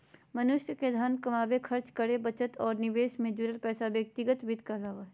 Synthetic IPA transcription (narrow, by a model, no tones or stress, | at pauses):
mɐnʊʃjəked̪ʱaːnkɐmaːbekʰɐɾt͡ʃkəɽebɐt͡ʃət̪ɔːɾnɪʋeːʃmẽːd͡ʒuːɾəlpɛːsabjɐk̚t̪ɪɡət̪bɪd̪ʱkazaːʋaɦɛ